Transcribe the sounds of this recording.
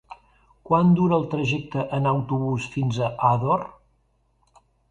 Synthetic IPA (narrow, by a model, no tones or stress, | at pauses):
kwand̪uɾəːlˠt̪ɾəʒɛk̚t̪əʔənəwt̪uβusfinzəʔaðor